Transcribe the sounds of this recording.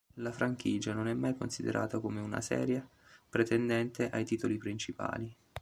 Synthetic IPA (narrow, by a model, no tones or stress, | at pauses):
lafɾaŋk̟iːd͡ʒanonɛmːajkonsid̪ḛɾʔa̰ːt̪akomeuna̰sɛ̰ːɾjapɾet̪ɛnd̪ɛnt̪eʔajt̪iːt̪olipɾint͡ʃipa̰ːli